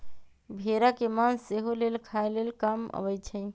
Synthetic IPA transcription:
bʱeɾakemanseɦolelkʰaelelkamə̰bəjt͡ʃʰəɪ

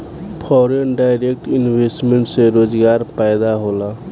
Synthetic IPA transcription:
pʰɔɾenɖajɾek̚ʈinbʱesʈmeɳʈseɾod͡ʒɡaɾpajd̪aɦola

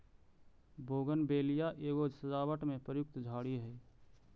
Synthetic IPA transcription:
bʱoːɡənbeːlijaʔeːɡod͡ʒʱsəd͡ʒaːwəʈmẽpɾəjʊk̚t̪d͡ʒʱaːɽiɦɛː

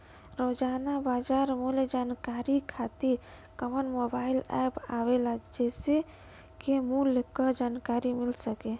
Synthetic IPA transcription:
ɾod͡ʒanabad͡ʒaɾmuld͡ʒankaɾikʰat̪iɾ | kəmənmobailɛ̰pa̰ʋelad͡ʒɛse | kemulkəd͡ʒankaɾimilsəke

